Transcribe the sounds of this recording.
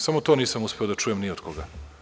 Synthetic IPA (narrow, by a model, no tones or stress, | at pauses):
samot̪oniːsamuspeod̪at͡ʃujemniod̪koɡa